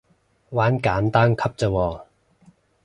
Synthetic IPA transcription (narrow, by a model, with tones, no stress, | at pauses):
waː˨˥nkaː˨˥nt̪aː˥nkʰɐ˥p̚t͡səː˧wɔː˧